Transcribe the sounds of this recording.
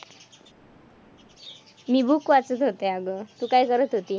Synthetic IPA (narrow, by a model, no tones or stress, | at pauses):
mibukːuat͡sət̪ɦot̪eaɡɔt̪ukajkʌɾət̪ɦot̪i